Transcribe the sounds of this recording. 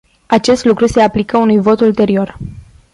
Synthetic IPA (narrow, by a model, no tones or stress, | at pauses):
at͡ʃe̞st̪lukɾuse̞aplikəunujvo̞t̪ult̪e̞ɾio̞r